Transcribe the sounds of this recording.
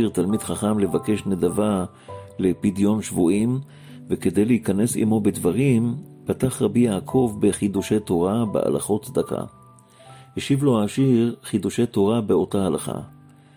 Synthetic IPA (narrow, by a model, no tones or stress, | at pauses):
iʁt̪almidχaχamle̞vake̞ʃnedava | lepidjo̞nʃvuʔim | veke̞dejleikane̞sḭmo̞bedvaʁimpataχʁabijaːkʰo̞vbeχid̪uʃejto̞ʁabḛʔa̰la̰χo̞tsd̪aka̰ | heʃivlo̞haːʃiʁχid̪uʃe̞to̞ʁabeo̞tahalaχa̰